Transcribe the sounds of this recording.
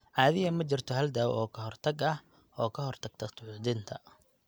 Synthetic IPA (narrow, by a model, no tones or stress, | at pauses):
ʕɑːðɪjɐmɐt͡ʃɪrt̪ʰɔɦɐld̪aːwʔɔːkʰɐɦɔrt̪ʰɐɡɐh | ʔɔːkʰɐɦɔrt̪ʰɐɡ̥̚t̪ʰɐt̪ʰʊʕud̪ɪnt̪ʰɐ